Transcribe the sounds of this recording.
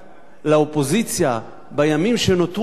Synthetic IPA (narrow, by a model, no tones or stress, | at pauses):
laopo̞zit͡sja | bajamimʃenot̪